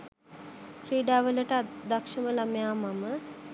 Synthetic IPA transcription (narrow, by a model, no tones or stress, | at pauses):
kɾiːɖaːʋələʈəd̪akʂəməlamjaːmamə